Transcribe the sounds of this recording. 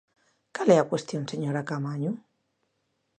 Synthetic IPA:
kaleakwest̪jonseɲoɾakamaɲu

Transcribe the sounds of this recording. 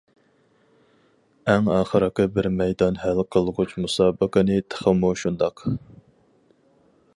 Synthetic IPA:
ɛŋɑːχəɾɑqɨbɪɾmɛjd̪ɑnhælqʰəlˠʁʊt͡ʃmusɑːbəqənɨt̪ʰə̥χəmuʃund̪ɑq

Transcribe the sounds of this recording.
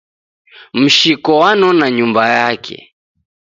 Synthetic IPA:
m̩ʃikɔwanɔnaɲumbajakʰɛ̰

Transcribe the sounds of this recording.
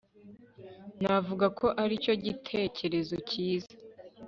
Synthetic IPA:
navuɡakʰo̞ʔaɾico̞ɟitʰe̞ːcʰe̞ɾe̞zociːza

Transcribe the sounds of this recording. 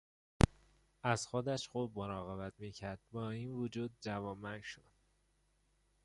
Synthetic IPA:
æzxod̪æʃxuːb̚moɾɒːɣebæt̪miːcʰæɾd̪̥̚bɒːiːnvod͡ʒuːd̪̚d͡ʒævɒːmænʃod̪̥

